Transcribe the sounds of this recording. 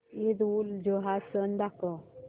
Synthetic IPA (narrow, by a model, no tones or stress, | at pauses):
ed̪uld͡ʑəɦasənd̪akə